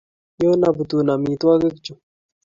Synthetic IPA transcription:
jo˦na˨bu˨t̪u˨na˨mĩː˨t̪wa˦ɡe˦kt͡ʃu˨

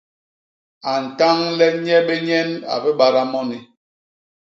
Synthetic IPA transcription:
a˨n̩˨ta˦ŋlɛ˦ɲɛ˦ɓe˦ɲɛ˦na̰˨bɛ˦ɓa˦ɾa˦mɔ˦ni˨

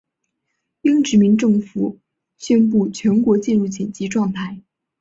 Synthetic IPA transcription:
i˥ŋʈ͡ʂɻ̩˧˥mi˧˥nʈ͡ʂɤ˥˩ŋfu˨˩˦ | ɕɥɛ˥np̬u˥˩t͡ɕʰɥɛ˧˥nkwɔ˧˥t͡ɕi˥˧nɻu˥˩t͡ɕi˨˩nt͡ɕi˧˥ʈ͡ʂwɑ˥˧ŋt̪ʰa˥˩ɪ

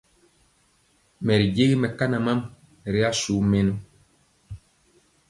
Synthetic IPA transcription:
mɛ˨ɾi˨d͡ʒe˦ɣi˦mɛ˨ka˦na˨ma˦m˨ | ɾi˦a˦su˨˦me˦nu˦

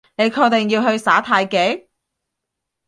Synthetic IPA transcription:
ne˨˧jkʰɔː˧t̪ɛ˨ŋjiː˧wɦɵ˧ɥsaː˨˥t̪ʰaː˧jke˨˥j

